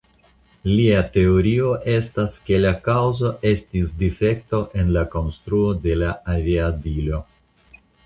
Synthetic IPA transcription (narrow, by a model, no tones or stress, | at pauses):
liate̞o̞ɾio̞ʔe̞staske̞lakawzo̞ʔe̞stisdife̞k̚to̞ʔe̞nlako̞nstɾuo̞de̞laaviadilo̞